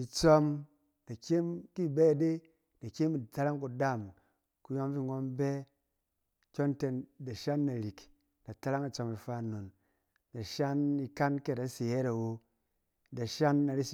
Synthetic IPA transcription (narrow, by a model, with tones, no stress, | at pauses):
i˧t͡sɔ˦m | da˨kʲe˦mki˦˨bɛ˦˨de˦ | d̥a˨kʲe˦mi˨ta˦la˦ŋku˨da˦˨m | ku˧jo˦ŋ˦vi˦˨ŋo˦mbɛ˦ | kʲo˦nte˧nda˨ʃa˦nːa˨ɾi˨k | d̥a˨ta˦la˦ŋi˨t͡sɔ˧mi˧fa˧˨no˨n | da˨ʃa˦ni˧ka˦nke˦˨da˨˦se˨je˦ɾa˨wo˧ | da˨ʃa˦nːa˨˧ɾi˦si˨